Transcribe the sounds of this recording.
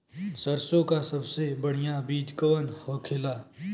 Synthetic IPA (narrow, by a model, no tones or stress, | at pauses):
səɾsõkasɐbsebəɽ̤ijabiːd͡ʒkəʋənhɔːkʰɪlaː